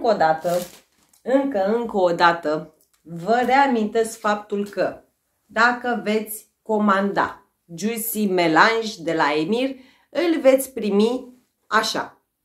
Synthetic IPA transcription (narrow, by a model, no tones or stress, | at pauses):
ɨŋko̞d̪at̪ə | ɨŋkəɨŋkəod̪at̪ə | vəre̞amint̪e̞skfap̚t̪ulkə | d̪akəve̞t̪sʲ | ko̞mand̪a̰ | d͡ʒusime̞lanʒʲd̪e̞lae̞mir | ɨlve̞t̪sʲpɾimi | aʃa̰